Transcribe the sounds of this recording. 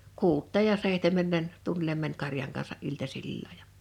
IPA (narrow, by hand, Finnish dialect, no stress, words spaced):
kuːtˑeːj jɑ seihtemˑeˑm mɛn tunːilem mænʲ kɑrjɑŋ kɑnsɑʔ ʔiltɑsilːɑ jɑ